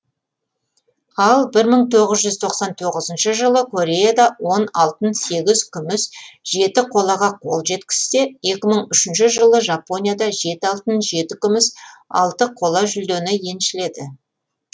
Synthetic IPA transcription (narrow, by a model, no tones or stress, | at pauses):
ɑlˠbɪɾməɴt̪ʰo̞ʁəzʒʏzt̪ʰo̞qsɑnt̪ʰo̞ʁəzənʃəʒəlˠəkʰo̞ɾʲe̞jad̪ɑwo̞nɑlˠt̪ənse̞ɡʲɪzkʲʰʏmɪsʒ̥e̞t̪ɪqʰo̞lˠɑʁɑqʰo̞̰lˠʒe̞t̪kʲɪ̥st̪e̞je̞kʲɪməɴʏʃɪnʃɪʒəlˠəʒɑpːo̞nʲijad̪ɑʒe̞t̪ɪɑlˠt̪ənʒe̞t̪ɪkʲʏmɪsɑ̰lˠt̪əqʰo̞lˠɑʒʏld̪enɪje̞nʃɪle̞d̪ɪ